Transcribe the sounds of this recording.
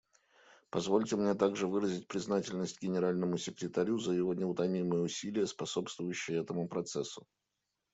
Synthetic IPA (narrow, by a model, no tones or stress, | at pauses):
pɐzvo̞lʲtʲɪmnʲe̞t̪aɡʐɨvɨɾəzʲɪt̚ʲpɾʲɪznatʲɪlʲnəsʲtʲɡʲɪnʲɪɾalʲnəmʊsʲɪkɾʲɪt̪ɐɾʲuzəjɪvo̞nʲɪʊt̪ɐnʲiməjəʊsʲilʲɪjəspɐso̞pst̪vʊjʉɕːɪjəɛt̪əmʊpɾɐt̪sɛsːʊ̥